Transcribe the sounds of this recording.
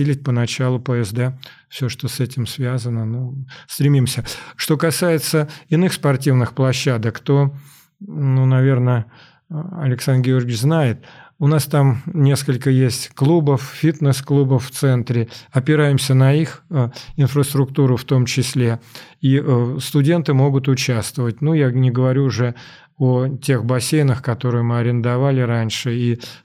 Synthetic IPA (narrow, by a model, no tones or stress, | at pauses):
ilʲɪt̚ʲpənɐt͡ɕalˠʊpəɛzd̪ɛ | fsʲoʂt̪osɛtʲɪmsvʲazənənust̪ɾʲɪmʲimsʲəʂt̪o̞kɐsajɪt̪səɪnɨxspɐrtʲivnɨxplˠɐɕːad̪əkt̪o̞ | nunɐvʲe̞rnə | ɐlʲɪksand̪ɡʲɪo̞rɡʲɪt͡ɕznajɪt̪̚ʊnast̪amnʲe̞skəlʲkəjesʲtʲklˠubəffʲit̪nəsklˠubəfft̪sɛnt̪ɾʲɪɐpʲɪɾajɪmsʲənɐixɪnfɾəst̪ɾʊkt̪uɾʊft̪o̞mt͡ɕɪsʲlʲeiʔst̪ʊdʲe̞nt̪ɨmo̞ɡʊt̪ʊt͡ɕæst̪vəvət̚ʲnujanʲɪɡəvɐɾʲuːʐɛ | otʲe̞xbɐsʲejnəxkɐt̪o̞ɾɨjəmɨɐɾʲɪnd̪ɐvalʲɪɾanʲʂɨi